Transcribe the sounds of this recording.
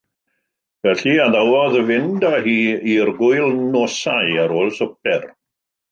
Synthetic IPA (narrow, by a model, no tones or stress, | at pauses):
vɛɬiaðawɔðəvɪndahiːirɡʊɨlˠnoːsajaɾoːlˠsɔp̚ʰɛr